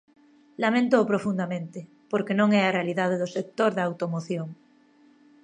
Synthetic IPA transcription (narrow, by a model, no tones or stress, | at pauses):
lamẽnt̪oːpɾofund̪amẽnt̪e | poɾkenõŋɛarealiðað̞eðosek̚t̪oɾðaawt̪omoθjoŋ